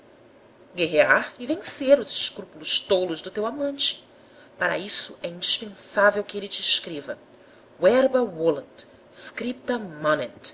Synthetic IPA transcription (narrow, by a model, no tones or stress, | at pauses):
ɡeɦeaɾɪvẽseɾʊzɪʃkɾupulʊʃt̪olʊzd̪ʊt̪ewamɐ̃nt͡ʃɪ̥ | paɾɐ̰isʊɛĩnd͡ʒiʃpẽsavewkɪelɪt͡ʃɪːʃkɾevɐ | wɛɾbɐwolɐ̃nt̪ | skɾip̚t̪ɐmɐnẽt̪